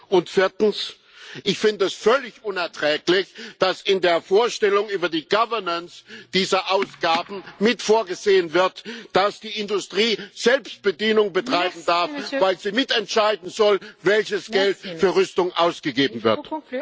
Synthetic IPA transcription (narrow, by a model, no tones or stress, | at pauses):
ʔʊntfɪɐtn̩s | ʔɪçfɪndəɛsfœlɪçʔʊnɛɐtʁ̥ɛːklɪçd̥asɪndeːɐfoːɐʃtɛlʊŋʔyːbɐdiːɡavɐnənsd̥iːzɐʔaʊsɡ̥aːbn̩mɪtfoːɐɡəzeːənvɪɐtd̥asd̥iːʔɪndʊstʁ̥iːz̥ɛlpst̚b̥ədinʊŋbətʁ̥aɪbm̩daɐfv̥aɪlziːmɪtɛntʃaɪdn̩zɔlvɛlçəsɡ̥ɛltfyːɐʁʏstʊŋʔaʊsɡ̥əɡeːbm̩vɪɐt